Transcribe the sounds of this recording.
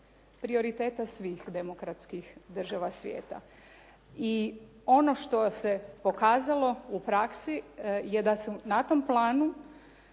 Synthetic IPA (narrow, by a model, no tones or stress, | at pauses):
pɾio̞ɾit̪eːt̪asʋiːxd̪emokɾat̪skixd̪r̩ʒaʋasʋjḛːt̪a̰ | io̞no̞ʃt̪o̞se̞po̞kaːzalo̞upɾaksije̞d̪asunat̪o̞mplˠaːnu